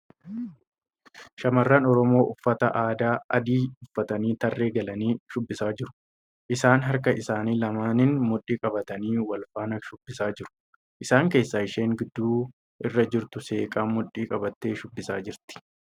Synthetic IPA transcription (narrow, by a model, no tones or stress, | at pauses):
ʃɐmɐrːɐnɔɾɔmo̞ːʔʊfːɐt̪ɐ̰ʔaːd̪aːʔɐ̰d̪iːʊfːɐt̪ɐniːt̪ɐrːe̞ːɡɐlɐniːʃʊbːɪsaːd͡ʒɪɾʊ̥ | ʔɪsaːnɦɐɾkɐʔɪsaːniːlɐmaːnɪnmʊᶑːiːkʼɐbɐt̪ɐniːwɐlfaːnɐʃʊbːɪsaːd͡ʒɪɾʊ̥ | ʔɪsaːŋke̞ːsːaːɪʃe̞ːŋɡɪd̪ːuː | ʔɪrːɐd͡ʒɪɾt̪ʊse̞ːkʼaːmʊᶑiːkʼɐbɐt̪ːe̞ːʃʊbːɪsaːd͡ʒɪɾt̪ɪ̥